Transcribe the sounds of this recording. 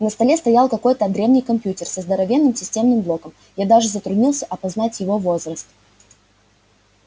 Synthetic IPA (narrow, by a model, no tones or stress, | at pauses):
nəst̪ɐlʲe̞st̪ɐjalˠkɐko̞jt̪əd̪ɾʲe̞vnʲijkɐmʲpʲjutʲɪrsɐzd̪əɾɐvʲe̞nːɨmsʲɪsʲtʲe̞mnɨmblˠo̞kəm | jad̪aʐɨzət̪ɾʊdʲnʲilˠsʲəʔɐpɐznatʲjɪvo̞vo̞zrəst̪